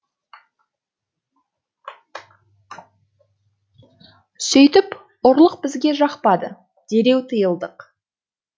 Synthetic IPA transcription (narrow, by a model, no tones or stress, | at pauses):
sɵjt̪ɪp | ʊɾlˠəq̚bɪzɡʲe̞ʒɑqpɑd̪ə | d̪̥e̞ɾe̞wt̪ʰəjəlˠd̪əq